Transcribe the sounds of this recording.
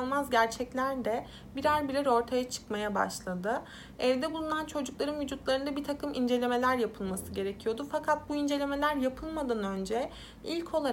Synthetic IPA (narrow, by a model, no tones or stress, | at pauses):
lˠmazɟæɾt͡ʃʰɛclʲæɾd̪ɛ | biɾaɾʲbilʲɛɾo̞ɾt̪ʰajat͡ʃʰɯ̥kmajaba̰ʃlˠad̪ɯ | ɛvd̪ɛbulˠunant͡ʃʰo̞d͡ʒuklˠaɾɯnvyd͡ʒut̪lˠaɾɯnd̪abit̪ʰakɯmind͡ʒe̞lʲe̞me̞lʲæɾjapʰɯlˠmasɯɟe̞ɾecʰijo̞d̪ufakʰat̪̚buind͡ʒe̞lʲe̞me̞lʲæɾjapʰɯlˠmad̪anø̞nd͡ʒɛ | ilʲcʰo̞lˠa